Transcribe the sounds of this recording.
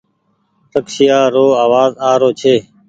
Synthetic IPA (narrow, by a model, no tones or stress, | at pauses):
səksɪjaːɾoːaːʋaːzaːɾoːt͡ʃʰeː